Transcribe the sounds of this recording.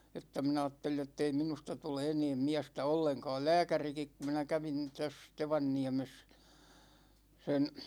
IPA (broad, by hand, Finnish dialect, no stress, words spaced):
etːæ min ɑːtːelij jotːei minustɑ tule eneːm miæstæ olːeŋkɑ̝ːl læːkærikik kum minæ kæʋin tæs teʋɑnːiæ̝mes sen̞